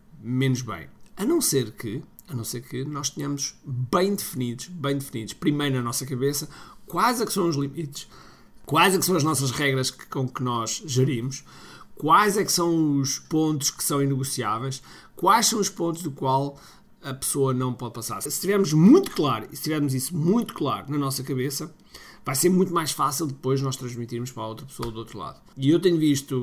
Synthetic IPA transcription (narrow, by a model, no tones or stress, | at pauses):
menuʒβɐ̰̃j̃ɐnɐ̃w̃seɾkɨ | ɐnɐ̃w̃seɾkɨnɔʃt̪ɨɲɐmuʒ̥bɐ̃j̃d̪ɨfniðuʃβɐ̃j̃d̪ɨfniðuʃpɾimɐjɾnɐnɔsɐkɐβesɐkwajzɛksɐ̃w̃uʒlˠimit̪ɨ̥ʃ | kwajzɛksɐ̃w̃ɐʒnɔsɐʒʁɛɣɾɐʃkõkɨnɔʒʒɨɾimuʃ | kwajzɛksɐ̃w̃uʃpõnt̪u̥ʃkɨ̥sɐ̃w̃inɨɣusiavɐjʃ | kwajʃsɐ̃w̃uʃpõnt̪uʒðukwalˠ | ɐpɨ̥soɐnɐ̃w̃pɔðpɐsa̰ɾssɨ̥t̪ivɛɾmuʒmũj̃t̪u̥klˠaɾuisɨ̥t̪ivɛɾmuzisumũj̃t̪u̥klˠa̰ɾunɐnɔsɐkɐβesɐ | vajseɾmũj̃t̪umajʃfasilˠd̪ɨpojʒnɔʃt̪ɾɐ̃ʒmit̪iɾmʊʃpɾaot̪ɾɐpsoɐd̪uot̪ɾulˠa̰ðuiewt̪eɲuviʃt̪u